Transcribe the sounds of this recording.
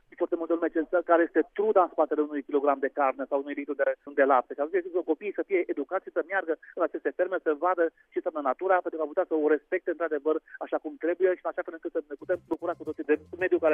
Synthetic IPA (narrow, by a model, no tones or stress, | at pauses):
foart̪e̞mult̪eəlume̞t͡ʃensakaɾeje̞st̪et̪ɾud̪aɨnspat̪e̞leunujkʲilo̞ɡɾamd̪e̞karne̞sawunujlit̪ɾud̪ed̪e̞lap̚t̪eʃiat̪unt͡ʃeɡzep̪oko̞piːsəfije̞ʔed̪ukat̪ʃisəmjarɡəɨnat͡ʃe̞st̪e̞fe̞ɾmesəvad̪ə | t͡ʃensʲamnənat̪uɾapent̪ɾukamput̪asəoɾe̞spe̞k̚t̪e̞ɨnt̪ɾad̪e̞vəraʃakumt̪ɾe̞buje̞ʃiɨnaʃafelɨŋkɨt̪səneput̪e̞mbukuɾakut̪osid̪e̞me̞d̪jukaɾe